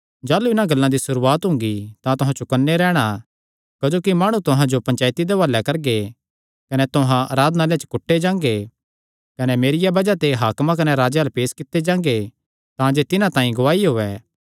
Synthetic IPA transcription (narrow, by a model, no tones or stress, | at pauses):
d͡ʒaːluɪnãɡɐlːãd̪isʊɾuːaːt̪ɦʊ̃ŋɡit̪ãt̪ʊɦãt͡ʃʊkənːeɾɛːɽ̃a | kɐd͡ʒoːkimaːɽ̃ut̪ʊɦãd͡ʒopɐ̃ɲt͡ʃaːjt̪id̪eʋaːlːɛkɐɾɡe | kɐnɛt̪ʊɦãɾaːd̪naːljet͡ʃə̥kʊʈʰːed͡ʒãːŋɡe | kɐnɛmeːɾɪjabɐd͡ʒat̪eɦaːkmãkɐneɾaːd͡ʒealpeːskɪt̪ːed͡ʒãːŋɡe | t̪ãd͡ʒet̪ɪnãt̪ãːĩɡʊʋaːiɦoːɛː